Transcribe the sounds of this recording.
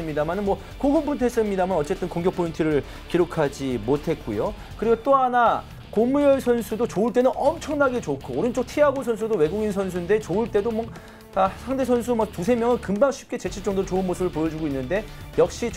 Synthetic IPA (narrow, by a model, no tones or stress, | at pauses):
ɯmɲidamanɯnmwʌ | koɡɯmpʰuntʰes͈ɯmɲidamanʌt͡ɕ͈e̞t͈ɯnkoŋɡjʌk̚pʰointʰɯɾɯɭ | kiɾokʰad͡ʑimotʰe̞t̚k͈ujo | kɯɾiɡot͈oɦana | konmujʌsʰʌnsʰudot͡ɕouɭt͈e̞nɯnʌmt͡ɕʰʌŋnaɡe̞t͡ɕokʰoːɾɯnt͡ɕ͈ok̚tʰiaɡosʰʌnsʰudowe̞ɡuɡins̬ʰʌnsʰunde̞t͡ɕouɭt͈e̞domʌ | asʰaŋde̞sʰʌnsʰumak̚tusʰe̞mjʌŋɯnkɯmbaŋɕʰi̥p̚k͈e̞t͡ɕe̞t͡ɕʰit͡ɕ͈ʌŋdoɾot͡ɕoɯnmosʰɯbɯɭpojʌd͡ʑuɡoinːɯnde̞jʌk̚ɕ͈i